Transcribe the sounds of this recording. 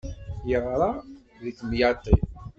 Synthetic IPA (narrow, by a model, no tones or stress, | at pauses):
jəʁɾˤɑ | ðəkːmjɑt̪i